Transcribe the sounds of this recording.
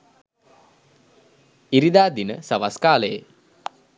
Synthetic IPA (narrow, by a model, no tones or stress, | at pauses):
iɾid̪aːd̪inəsaʋaskaːləjḛ